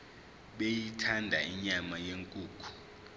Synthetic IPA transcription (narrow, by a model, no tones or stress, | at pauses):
ɓejitʰandʱaiɲamajeŋkʼuːkʰu̥